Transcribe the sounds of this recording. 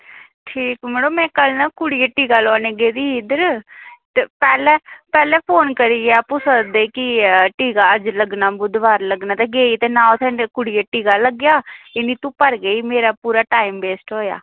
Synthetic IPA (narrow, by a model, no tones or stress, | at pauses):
ʈʰiːkməɽõːmɛ̃ːkəlnaːkʊɽijeːʈiːɡaːlɔːneːɡeːd̪iːɦɪd̪əɾt̪eːpɛːlɛːpɛːlɛːpʰoːnkəɾiːɡaːpusəd̪eːkɪʈiːɡaːəd͡ʒləɡnaːbʊd̪ʋaːɾləɡnaːt̪ɛːɡeːiːt̪eːnãːt̪ʰɛ̃ːkʊɽieʈiːɡaːləɡjaːɪniːt̪ũːpəɾɡeiːmeːɾaːpuːɾaːʈaːimbeːsʈɦoːja̰ː